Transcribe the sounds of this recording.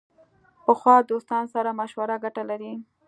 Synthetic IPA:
pəxwɑd̪ost̪ɑnosaɾamaʃwaɾaɡaʈalaɾi

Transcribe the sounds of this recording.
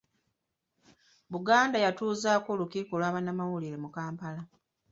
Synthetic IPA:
βuɡaːndajatuːzaːko̞ːlukiːkulwaːβanamawuliɾe̞mukaːmpala

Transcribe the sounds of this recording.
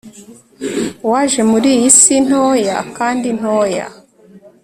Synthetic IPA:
waʒe̞muɾijisin̥oːja̰kaːndin̥hoja̰

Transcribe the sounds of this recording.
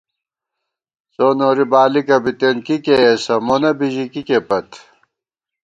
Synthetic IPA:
soːnoːɾibaːlikɐbit̪enkikeːsɐmonɐbiʑikikepɐt̪

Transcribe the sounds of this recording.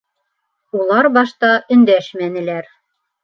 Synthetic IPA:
ulˠɑɾbɑʃt̪ɑʔɵ̆nd̪æʃmænɘ̆læɾ

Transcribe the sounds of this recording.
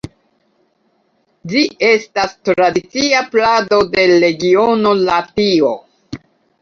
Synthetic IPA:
d͡ʒie̞stastɾadit͡siaplado̞de̞le̞ɡio̞no̞latio̞

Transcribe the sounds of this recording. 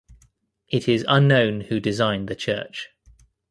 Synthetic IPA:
ʔɪtʰɪzʌ̃nːə̃ʊ̃nhʉdɪzãɪ̃nðət͡ʃʰɜ̰ˑt͡ʃ

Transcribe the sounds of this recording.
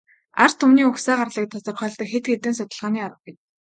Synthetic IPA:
a̰r̥t̪ʰɵmniːɵxsæːɢarɮiːk̚t̪ʰasɞ̆rχœːɮt̪ə̆kxet̪ɡet̪ɘ̆nsʊt̪ə̆ɮʁaːniːaɾə̆χɡet̪

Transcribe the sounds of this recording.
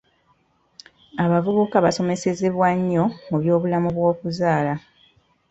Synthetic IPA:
aβavuβukaβaso̞me̞se̞ze̞βwaɲːo̞muβjo̞ːβulamuβwo̞ːkuzaːla

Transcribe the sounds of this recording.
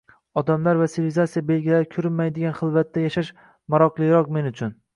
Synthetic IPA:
ɒd̪amlaɾvasiɾvizat̪sijabe̞lɡʲilaɾɪkʲʰʊɾɪnmajd̪ɪɡʲanχɨlˠvat̪ːajaʃaʃ | maɾɒqlˠɨjɾɒqme̞nʊt͡ʃʰʊn

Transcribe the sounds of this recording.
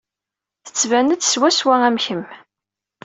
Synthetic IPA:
θə̥t͡sːvænət͡sːswæswææmçəm

